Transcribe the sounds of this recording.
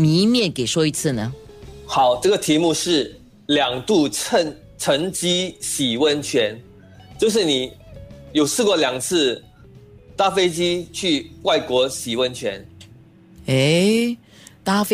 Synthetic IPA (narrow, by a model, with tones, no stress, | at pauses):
mi˧˥mjɛ˥˩nke˨˩ɪʂwɔ˥i˧˥t͡sʰɹ̩˥˩nə˩xɑ˨˩˦ʊʈ͡ʂɤ˥˩ɡə˩t̪ʰi˧˥mu˥˧ʂɻ̩˥˩ | ljɑ˨˩ŋt̪u˥˧ə˧ŋ | ʈ͡ʂʰə˧˥ŋt͡ɕi˥ɕi˨˩wə˥˧nt͡ɕʰɥɛ˧˥n | t͡ɕjo˥˧ʊʂ̬ɻ̩˥˩ni˨˩˦jo˨˩ʊsʰɹ̩˥˧kwɔ˥˩ljɑ˨˩ŋt͡sʰɹ̩˥˧ | t̪a˥fe˥ɪt͡ɕi˥t͡ɕʰy˥˧wa˥˩ɪkwɔ˧˥ɕi˨˩wə˥˧˩nt͡ɕʰɥɛ˧˥n | e˥ | t̪a˥f